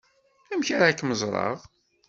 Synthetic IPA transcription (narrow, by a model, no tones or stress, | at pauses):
æmçaɾaækːməzˤɾˤɑ̰ʁ